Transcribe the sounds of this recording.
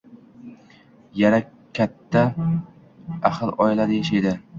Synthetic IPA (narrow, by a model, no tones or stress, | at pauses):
jaɾa | kʲʰːat̪ʰːa | aχɨlˠɒɪlad̪ajaʃajd̪ɪ